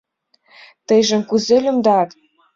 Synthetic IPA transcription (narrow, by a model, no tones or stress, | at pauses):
t̪ə̆jʒə̆mkuzelʲymd̪ɑt̪